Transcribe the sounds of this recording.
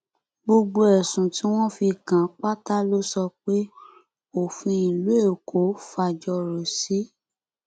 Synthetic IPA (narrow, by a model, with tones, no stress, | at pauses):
ɡ͡bo˧ɡ͡bo˧ɛ˨sũ˨ti˦w̃ɔ̃˦fi˧kã˨k͡pa˦ta˦lo˦sɔ˧k͡pe˦ | o˨fĩ˧i˨lu˨˦e˦˨kʰo˨˦fa˧d͡ʒɔ˧ɾo˨si˨˦